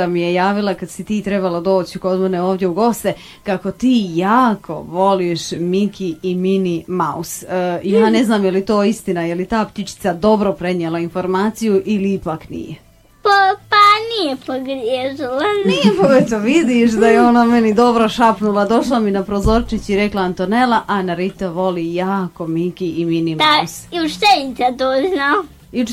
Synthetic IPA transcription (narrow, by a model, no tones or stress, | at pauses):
amijejaːʋilˠakad̪sit̪iːt̪ɾe̞balad̪o̞ːt͡ɕiko̞d̪meneo̞ːʋd̪ʲje̞uɡo̞st̪e̞ | kako̞t̪iːjaːkʰo̞̰ʋo̞liʃmikʰiiminimausijaːne̞znaːmjelit̪o̞ːist̪inajeljit̪aːpt̪it͡ʃi̥t̪sad̪o̞bɾo̞pɾe̞ɲielainfo̞ɾmaːt̪sijuʔiliipaknḭje | papanijepoɡɾjeːʒilaniepoɡet̪oʋid̪iʃd̪ajeo̞name̞nid̪o̞bɾoʃapnulˠad̪o̞ʃlaminapɾozo̞ɾt͡ʃit͡ɕiɾeklaant̪onelˠaʔanaɾit̪aʋo̞liːjaːko̞mikiiminimausiut͡ʃt̪elit̪sat̪oːznao | iu